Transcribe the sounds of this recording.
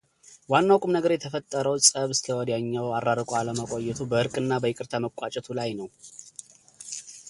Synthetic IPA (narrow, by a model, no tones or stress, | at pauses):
wanːawkʼumnəɡəɾjɛt̪ʰəfət̪ʼːəɾəwsʼəβsɨ̥lʰəwɔd̪jaɲːawarːaɾəkʼoaləməkʷʼo̞jːɛt̪ʰubəʔɨɾkʼɨnːabəjɪkʼɨɾt̪ʰaməkʷʼat͡ʃʼɛt̪ʰulajnəw